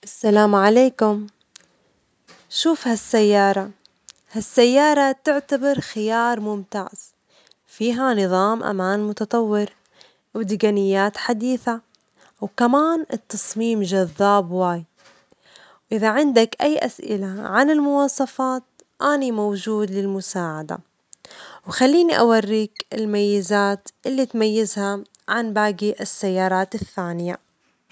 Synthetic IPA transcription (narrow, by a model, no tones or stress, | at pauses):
ʔasːalaːmʕaleːkʊm | ʃuːfhasːajːɑːɾˤɑ | hasːajːɑːɾˤɑt̪ɪʕt̪abɑɾˤxɪjɑːɾˤmʊmt̪a̰ːʕz̥ | fiːɦanɨðˤɑːmʔa̰maːnmʊt̪ɑt̪ˤɑwːɪɾ | wd̪ɪɡanɪjːaːt̪ħad̪iːθa | wkamaːnɪt̪ːɑsˤmiːmʒaðːaːbwaːj | wʔɪðaʕɪnd̪akʔajːʔasʔɪ̰laʕanɪlmʊwɑːsˤɑfɑːt̪̚ | ʔanimowd͡ʒuːd̪lɪlmʊsaːʕad̪a̰ | wxalːiːniʔa̰warːiːkɪlmajːɪzaːt̪ʔɪlːit̪majːɪzha | ʕanbaːɡiʔɪsːajːɑːɾˤɑːt̪ɪθːaːnɪja